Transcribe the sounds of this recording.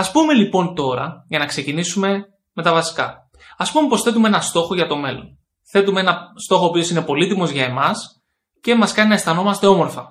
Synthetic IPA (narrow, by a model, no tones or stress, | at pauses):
ɐspume̞lipo̞nt̪o̞ɾɐ̰ʝɐnɐkse̞cinisume̞ | me̞t̪ɐvɐsi̥kɐ̰ | ɐspume̞po̞sθe̞t̪̬umeenɐst̪o̞xo̞ʝɐt̪o̞me̞lo̞n | θe̞t̪umeenɐst̪o̞xoːpio̞sine̞po̞lit̪imo̞zʝɐe̞mɐs | cemɐskɐninɐest̪ɐno̞mɐst̪e̞o̞mo̞ɾfɐ